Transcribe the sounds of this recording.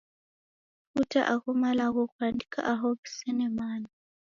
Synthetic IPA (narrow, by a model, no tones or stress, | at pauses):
futa̰ʔaɣumalaɣɔkwandikʰa̰ʔaɦɔβisɛnɛmaːna